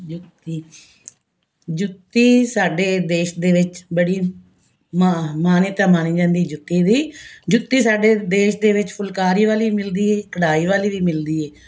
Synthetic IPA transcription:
d͡ʒʊt̪ːiː | d͡ʒʊt̪ːiːsaːɖeːd̪eːʃd̪eːʋɪt͡ʃbəɽiː | mamaːnɪt̪ãːmaːniːd͡ʒãːnd̪iːd͡ʒʊt̪ːiːd̪iːd͡ʒʊt̪ːiːsaːɖeːd̪eːʃd̪eːʋɪt͡ʃpʰʊlkaːɾiːʋaːliːmɪld̪iːɛːkəɽaːiːʋaːliːʋiːmɪld̪iːɛː

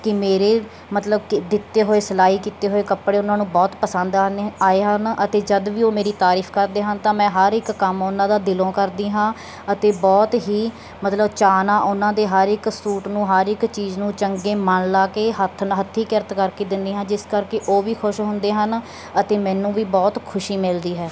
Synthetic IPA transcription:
kɪmeːɾeː | mət̪ləbkd̪ɪt̪ːeːɦoːeːsəlaːiːkiːt̪eːɦoːeːkəpɽeːʊnãːnũːbɔːt̪pəsə̃nd̪aːeːɦənət̪eːd͡ʒəd̪ʋiːoːmeːɾiːt̪aːɾiːpʰkəɾd̪eːɦənt̪ãːmɛ̃ːɦəɾɪkːəmʊnãːd̪aːd̪ɪlõːkəɾd̪iːɦãː | ət̪eːbɔːt̪ɦiː | mət̪ləbt͡ʃaːnãːʔʊnãːd̪eːɦəɾɪksuːʈnũːɦəɾɪkt͡ʃiːznũːt͡ʃəŋɡeːmənlaːkeːɦət̪ʰnɦət̪ʰːiːkɪɾət̪kəɾkeːd̪ɪnd̪eːɦãːd͡ʒɪskəɾkeʔoːʋiːkʰʊʃɦʊ̃nd̪eːɦən | ət̪eːmɛ̃ːnũːʋiːbɔːt̪kʰʊʃiːmɪld̪iːɦɛː

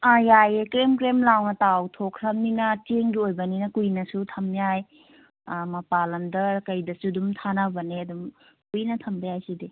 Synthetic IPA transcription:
ajajekɾemkɾemlawnɐtawtʰokʰɾɐmninɐteŋɡiojbɐninɐkujnɐsutʰɐmjaj | mɐpalɐmdɐkɐjdɐsudumtʰanawbɐneɐdum | kujnɐtʰɐmbɐjajsidi

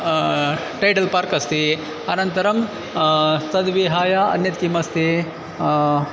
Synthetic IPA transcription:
ʈɐjʈɐlpaːɾkɐst̪i | ɐnɐnt̪ɐɾɐm | t̪ɐd̪ʋiɦaːjɐɐ̰njɐt̪kimɐst̪i

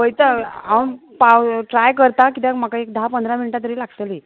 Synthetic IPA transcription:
ʋəjt̪əawpawʈɾajkəɾt̪akit̪ãm̤akaekd̪ʱaɦapənd̪ʱɾaminiʈat̪əɾiːlaɡsəliː

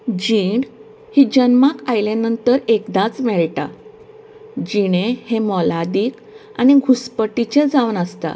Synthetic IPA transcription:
d͡ʑiɖ | hid͡ʑənmakajlanənt̪əɾekd̪at͡smeɭʈa̰ | d͡ʑiɽ̃ehemɔlad̪iːk | a̰ñiɡʱuspəʈit͡ɕed͡zaʋnəst̪a̰

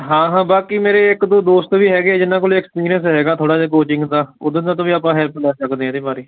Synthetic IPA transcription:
ɦãːɦãːbaːkiːmeːɾeːɪkd̪oːd̪oːst̪ʋiːɦɛːɡeːd͡ʒɪnːãːkoːliːɛkspiːɾijənsɦɛːɡaːt̪ʰoːɽaːd͡ʒeːk̬oːt͡ʃɪ̃ŋɡd̪aːʊ̰d̪ẽːnãːt̪̬õːʋiːapãːɦɛːlpʰlaːsəkd̪eːɛ̃ːd̪iːbaːɾiː

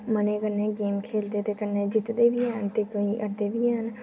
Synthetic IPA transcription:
mənekəɾnẽɡeːmkʰeːld̪et̪ekəɾned͡ʒɪt̪d̪ebʱiɛɦnt̪ekoiʔəɾd̪ebʱiɦɛn

